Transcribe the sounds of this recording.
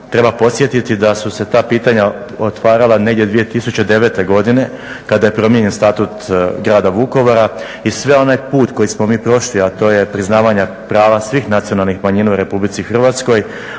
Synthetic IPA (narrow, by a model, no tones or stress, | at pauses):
t̪ɾe̞bapo̞t̪sjet̪it̪id̪asuse̞t̪aːpiːt̪aɲa | ot̪ʋaːɾalˠane̞ɡdjed̪ʋije̞t̪isut͡ɕe̞d̪e̞ʋe̞t̪e̞ɡo̞d̪ine̞ | kad̪aje̞pɾo̞mjeɲenst̪at̪ut̪ɡɾaːd̪aʋuko̞ʋoɾa | isʋe̞o̞najpuːt̪kojismo̞miːpɾo̞ʃliat̪o̞ːje̞pɾiznaːʋaɲa | pɾaːʋasʋiːxnat̪sijo̞nalˠnixmaɲinauɾe̞publit̪sixr̩ʋaːt̪sko̞j